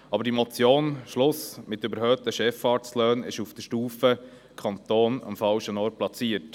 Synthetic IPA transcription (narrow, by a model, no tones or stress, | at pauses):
ɑbəɾdimɔt͡sjoːnʃlʊsmɪt̪ːʏbəɾhœːt̪əʃɛfɑːt͡slœːnɪ̰ʃufd̥əʃtuːfə | kʰɑnt̪oːnɑ̰mfɑlʃənɔːrt̚plɑt͡siət